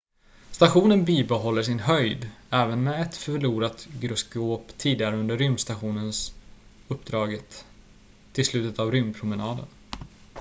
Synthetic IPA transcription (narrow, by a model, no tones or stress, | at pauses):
st̪aɧuːnənbiːbɛɦɔlːəʂɪnɦœjd̪ɛːvənmɛɛt̪fœɭuːɾat̪ɡɾɵsɡoːpt̪ʰːiːd̪ɪɡaɾɵnd̪əɾʏmst̪aɧuːnəns | ɵpːd̪ɾɑːɡət̪ʰː | ɪlslʉ̟ːt̪ət̪avɾʏmpʰɾʊmɛnɑːd̪ə̰n